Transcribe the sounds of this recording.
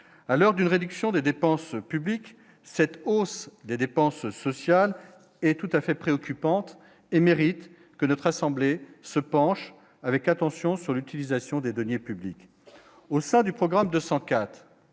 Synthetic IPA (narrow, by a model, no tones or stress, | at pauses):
alœʁd̪ynʁed̪yksjɔ̃d̪ed̪epɑ̃spyblik | sɛt̪osd̪ed̪epɑ̃sːɔsjal | ɛt̪ut̪afɛpχeɔkʲypɑ̃t̪ | emeʁit̪ | kənɔt̪χasɑ̃blesəpɑ̃ʃ | avɛkat̪ɑ̃sjɔ̃syʁlyt̪ilizasjɔ̃d̪ed̪ɔnjepyblik | osɛ̃d̪ypχɔɡʁamd̪øsɑ̃kat̪χ